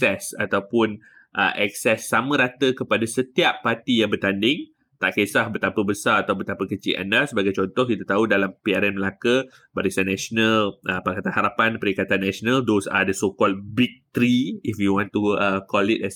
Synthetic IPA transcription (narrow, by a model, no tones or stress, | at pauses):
ɛsa̰t̪awpʊn | ʔə̰ʔɛk̚sɛsːamə̃ɾat̪əkəpadasət̪iapːat̪ijãŋbərt̪andɪŋ | t̪a̰ʔkesahbət̪apəbəsaat̪awbət̪apəkət͡ʃḭʔa̰nasəbaɡajt͡ʃɔnt̪ɔhkit̪at̪audalampiaɾɛnməlakə | baɾisanːɛsonãlʔəpakat̪anhaɾapanpəɾikat̪anːãsonãldosa̰dəsokɔlbik̚t̪ɾiifjuwɔ̃nt̪uəkɔlit̚ɛs